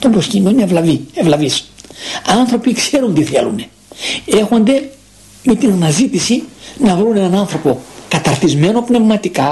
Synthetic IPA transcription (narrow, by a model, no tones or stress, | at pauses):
t̪ombɾo̞scind̪onevlɐvievlɐvis | ɐnθɾo̞pikse̞ɾunt̪iθe̞̰lṵne | e̞xo̞nd̪e̞ | me̞t̪inɐnɐzit̪isinɐvɾune̞nɐnɐnθɾo̞po̞kɐt̪ɐɾθizme̞no̞pne̞vmɐt̪ikɐ